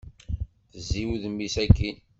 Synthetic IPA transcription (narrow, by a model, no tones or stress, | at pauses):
θəzːiwðmːisækːin